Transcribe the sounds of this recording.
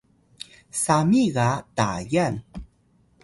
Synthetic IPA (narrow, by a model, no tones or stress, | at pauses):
samiɣata̰jan